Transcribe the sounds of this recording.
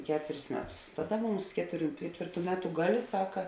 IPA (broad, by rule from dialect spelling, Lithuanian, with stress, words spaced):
ˈkʲæːtʊrʲɪs ˈmʲæːˌtʊs ˈtɑːˌdɐ ˈmʊms ˈkʲæːtʊˌrʲuː ˈkʲæːtʲʋʲeːrˌtuː ˈmʲæːˌtʊ ˈɡɑːˌlʲeː ˈsɑːkɐ